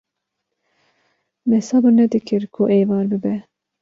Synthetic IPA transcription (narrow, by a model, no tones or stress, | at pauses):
mɛsɑbɨɾnɛd̪ɨkʰɨɾkʰʊʔeːvɑːɾbɨbɛ